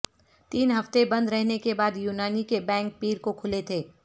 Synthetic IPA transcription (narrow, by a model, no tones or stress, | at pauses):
t̪iːnɦɐft̪ebɐ̃nd̪ɾɛɦnekebaːd̪juːnaːnikebɛ̃ːŋk̚piːɾkokʰʊlet̪ʰeː